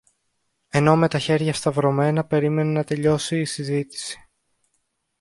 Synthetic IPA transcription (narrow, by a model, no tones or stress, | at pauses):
e̞no̞me̞t̪ɐçe̞ɾʝɐst̪ɐvɾo̞me̞nɐpe̞ɾime̞nenɐt̪e̞ʎo̞siːsizit̪i̥si̥